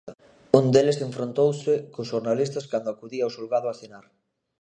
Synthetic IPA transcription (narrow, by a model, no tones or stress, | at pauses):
und̪eleseɱfɾont̪owsɪkʊsʃoɾnalist̪ɐskand̪ʊakuðiaowsulɣaðʊaθenaɾ